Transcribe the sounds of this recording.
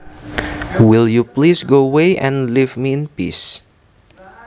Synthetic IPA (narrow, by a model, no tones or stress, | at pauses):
wiljuplisɡoweɛ̰̃nlivmiɪ̃npḭs